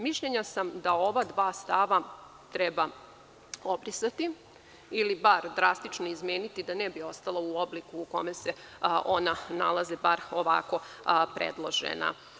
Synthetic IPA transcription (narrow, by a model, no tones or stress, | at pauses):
miʃʎeɲasamd̪ao̞ʋad̪ʋaːst̪aʋa | t̪ɾɛba | o̞bɾisat̪i | ilibaɾd̪ɾast̪it͡ʃno̞izmeːnit̪id̪anɛbio̞st̪alˠauoblikuːko̞mese̞onana̰lˠazebaɾoʋa̰ko̞ | pɾḛd̪lˠo̞ʒḛna̰